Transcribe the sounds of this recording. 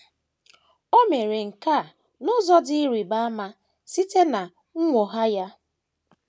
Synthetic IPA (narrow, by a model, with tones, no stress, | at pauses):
o˦me˨ɾe˨ŋ̩˨ka˦˨ | nʊ˦zɔ˦dɪ˦ɾi˨ba˦a˦ma˦ | si˦te˦na˨ | ŋ̩˦ŋʷo˨ɦa˦ja˦